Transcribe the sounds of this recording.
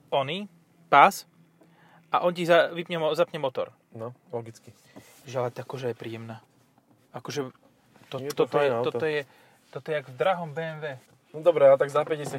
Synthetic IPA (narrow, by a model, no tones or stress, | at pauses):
ɔni | pas | ʔaʔɔncizaʋipɲɛmɔzapɲɛmɔt̪ɔ̰ɾ | nɔlɔɡit͡ski | ʒɛlat̪akɔʒɛjɛpɾiːjɛmnaː | akɔʒɛ | t̪ɔt̪ːɔɔjɛɔtt̪ɔjɛ | t̪ɔt̪ɔjɛaɡvd̪ɾaɦɔmbɛːɛnʋɛː | nɔd̪ɔbɾɛat̪aɡzapɛɟɛsa